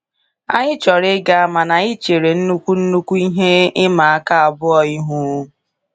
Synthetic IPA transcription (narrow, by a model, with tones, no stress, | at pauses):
a̰˦ɲɪ˦t͡ʃɔ˨ɾɪ˦ɡa˨a˨ma˨na˨ɪ˦t͡ʃe˨ɾe˨n̩˦nu˦kʷu˦n̩˦nu˦kʷu˦i˦ɦe˦ɪ˦ma˨a˦ka˦a˨bʊ˦ɔ˨i˦ɦu˦